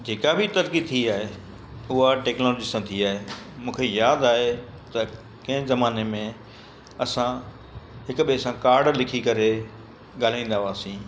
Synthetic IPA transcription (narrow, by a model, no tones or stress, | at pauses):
d͡ʑeːkabʱɪt̪ɐɾkit̪ʰiiaːɦe | ʊɦaʈɛːknoːloːd͡ʑiːsãt̪ʰiaːɦemũːkʰejaːd̪aːɦe | t̪ɐ | kɐ̃ɦɪ̃zɐmaːnemẽ | ɐsã | ɦɪkʊ̆ɓisãkaːɾɖlɪkʰikɐɾe | ɠaːl̤aĩn̆d̪aʋaːsĩː